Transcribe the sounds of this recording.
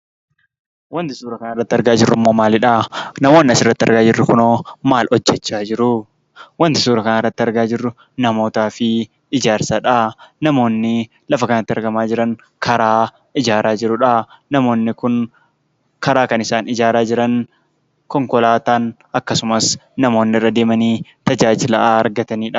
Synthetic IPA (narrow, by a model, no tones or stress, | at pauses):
wɐnt̪ɪsuːɾɐkɐnɐrːɐt̪ːɪɐɾɡaːd͡ʒɪrːʊmːo̞ːmaːlɪᶑɐnɐmo̞ːnːɪɐsɪrːɐt̪ːɪɐ̰ɾɡaːd͡ʒɪrːʊkʊnoːmaːlʔɔd͡ʒːɛt͡ʃːaːd͡ʒɪɾʊ | wɐnt̪ɪsuːɾɐkɐnɐrːɐt̪ːɪɐɾɡaːd͡ʒɪrːʊ | nɐmo̞ːt̪aːfɪ | ɪd͡ʒaːɾsɐᶑɐnɐmo̞ːnːɪ | lɐfɐkɐnɐt̪ːɪɐɾɡɐmaːd͡ʒɪɾɐn | kʰɐɾaː | ɪd͡ʒaːɾaːd͡ʒɪɾʊᶑɐ | nɐmo̞ːnːɪkʊn | kɐɾaːkɐnɪsaːnɪd͡ʒaːɾaːd͡ʒɪɾɐn | kɔŋkɔlaːt̪aːn | ʔɐkːɐsʊmɐsnɐmo̞ːnːɪrːɐd̪eːmɐniːt̪ɐd͡ʒaːd͡ʒɪlɐːɾɡɐt̪ɐniːᶑɐ